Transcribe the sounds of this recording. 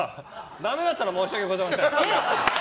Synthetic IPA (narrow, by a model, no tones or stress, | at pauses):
d̪ame̞d̪at̪ːaɾamo̞ːɕiaɡeɡozaimase